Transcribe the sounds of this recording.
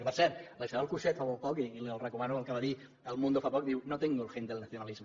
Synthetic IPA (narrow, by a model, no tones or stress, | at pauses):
pəɾsɛɾt̪ləʃəaalˠkuʃɛt̪faβolpɔkiːliəlˠrəkumanuəlˠkəβaði | əlˠmũnd̪ofapɔk̚d̪iwnot̪iŋɡulˠxend̪əlnaθiunalizmə